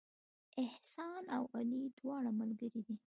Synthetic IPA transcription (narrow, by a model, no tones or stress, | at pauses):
ɪhsɑnawalid̪wɑɽamalɡəɾid̪i